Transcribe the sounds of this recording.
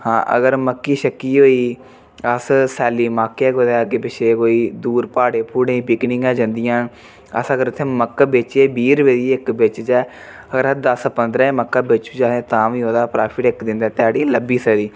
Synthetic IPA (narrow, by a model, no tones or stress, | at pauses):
hãːʔə̰ɡəɾməkːiːʃəkːiːɦoːiː | əssɛːliːmaːkːɛːɡʊd̪aːkɪbɪʃeːkoːiːd̪uːɾpaːɽeːpʰuːɽẽːpɪknɪ̃ŋɡɛːd͡ʒãnd̪ɪjãː | ə̰səɡəɾʊt̪ʰːeːməkːbeːt͡ʃeːbiːɾʋeːliːɪkbɪt͡ʃd͡ʒɛː | əɡəɾd̪əspənd̪ɾãːẽːməkːaːbeːt͡ʃuːd͡ʒaːẽːt̪ãːʋĩːɦõːd̪aːpɾaːpʰɪʈɪkd̪ɪ̃nd̪aɛːt̪ɪaːɽiːləbiːsəd̪iː